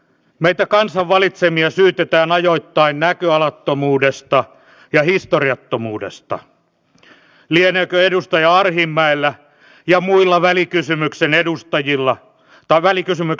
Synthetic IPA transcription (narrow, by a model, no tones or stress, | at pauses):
meit̪ækɑnsɑʋʋɑlit̪semiɑsyːt̪et̪æːnɑjoit̪ːɑinnækøɑlɑt̪ːomuːdest̪ɑ | jɑhist̪oriɑt̪ːomuːdḛst̪ɑ̰ | lienøːkøedust̪ɑjɑɑrhimːæilːæ | jɑmuilːɑʋælikysymyksenedust̪ɑjilːɑ | t̪ɑʋælikysymyk